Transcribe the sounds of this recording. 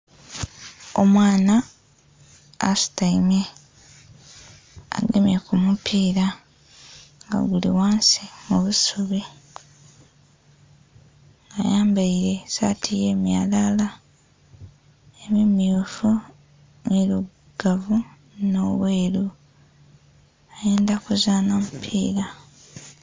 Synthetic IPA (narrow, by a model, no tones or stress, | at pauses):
o̞mwaːna | staime | a̰ɡemjekumupʰiːɾa | ŋɡa̰ɡulḭwaːnsimuβusuβe | ŋɡajaːmbaiɾe̞sa̰ːtʰije̞ːmjaːlala | emimiufu | nilu | ɡ̥avu | noβweːɾu | ajeːndakuzaːnamupʰḭːɾa